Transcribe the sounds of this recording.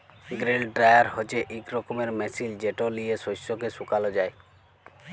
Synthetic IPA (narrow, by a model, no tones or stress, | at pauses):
ɡɾelɖɾajaɾhot͡ʃeʔikɾɔkomeɾmesild͡ʒeʈoliesosokesukalod͡ʒae